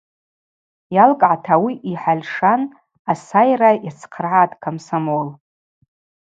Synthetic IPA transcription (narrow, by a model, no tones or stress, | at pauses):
jalkʼʕatʰawiʔiħalʲʂan | asajrajat͡sʰqʰərʕatʼkʰamsamol